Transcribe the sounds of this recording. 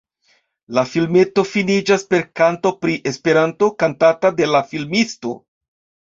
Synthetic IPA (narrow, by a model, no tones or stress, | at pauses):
lafilme̞to̞finid͡ʒaspe̞ɾkanto̞pɾiʔe̞spe̞ɾanto̞kantatade̞lafilmisto̞̰